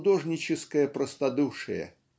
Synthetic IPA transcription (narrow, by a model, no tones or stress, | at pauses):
d̪oʐnʲɪt͡ɕɪskəjəpɾəst̪ɐd̪uʂɨ̰jə̰